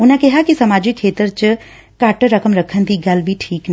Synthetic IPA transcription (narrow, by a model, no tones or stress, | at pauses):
ʊnãkɛɦakisɐmaːd͡ʒikʰːeːt̪əɾt͡ʃ | kaːʈəɾɐkəmɾɐkʰənd̪iɡɐlbʱiʈʰiːkn